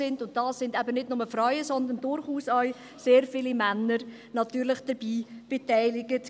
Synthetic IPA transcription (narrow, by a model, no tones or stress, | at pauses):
ɪndʊnt̚d̥ɑːsːɪndæbənɪdnʊməfrœʏəsɔnd̪ən̩dʊɾχuːsœʏ | seːɾfɪlimænːəɾ | nɑtyːɾlɪχd̥əb̥iːb̥etæɪlɪɡət